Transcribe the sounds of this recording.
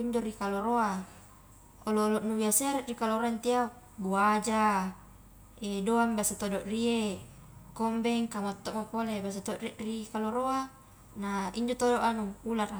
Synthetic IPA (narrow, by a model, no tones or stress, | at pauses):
iɲd͡ʒoɾikaloɾoa | oloːlɔʔnubiaseaɾɛʔrikaloɾaint̪ia | buad͡ʒa | edoaŋbiasat̪odoʔrie | kombɛŋkamot̪ːɔʔmopolebas̬at̪oʔriʔrikaloɾoa | naiɲd͡ʒot̪odoʔanuulara